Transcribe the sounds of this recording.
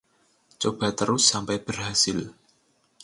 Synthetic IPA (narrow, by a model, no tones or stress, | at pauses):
t͡ʃob̥a̤t̪əɾʊsːampɛjb̥ərhasɪl